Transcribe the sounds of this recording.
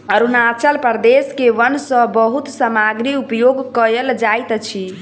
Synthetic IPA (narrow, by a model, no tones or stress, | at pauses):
əɾunat͡ʃəlpəɾd̪eskeʋənsə̃bəɦut̪səmaɡɾiupjoɡkəeld͡ʒajt̪t͡ʃʰi